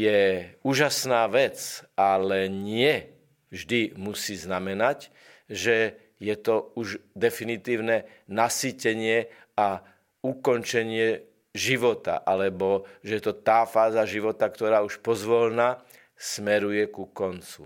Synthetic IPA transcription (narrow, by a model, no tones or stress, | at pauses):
jɛuːʒasnaːʋɛt͡salɛɲɪɛ | ʒd̪imusiːznamɛnac | ʒɛ | jɛt̪ɔuʒd̪ɛfinit̪iːʊnɛ | nasiːcɛɲɪɛ | a | ukɔnt͡ʃɛɲɪɛ | ʒiʋɔt̪a̰ʔalɛbɔʒɛjɛt̪ɔt̪aːfaːzaʒiʋɔt̪akt̪ɔɾaːuʃpɔzʋɔlna | smɛɾujɛkukɔnt͡sṵ